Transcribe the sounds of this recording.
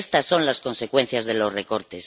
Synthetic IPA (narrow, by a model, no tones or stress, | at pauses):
st̪asːõ̞nlasko̞nse̞kwe̞n̟θjazðe̞lo̞zre̞ko̞ɾt̪es